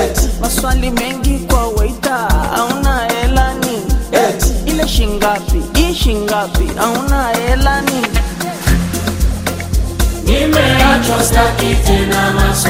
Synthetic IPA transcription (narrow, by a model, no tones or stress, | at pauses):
maswalimɛŋɡikwawɛitaa̰ũnaɛlanĩ | ilɛʃiŋɡapiiʃĩŋɡapḭʔaũnaɛlanĩ | nĩmɛjat͡ʃɔtakitenam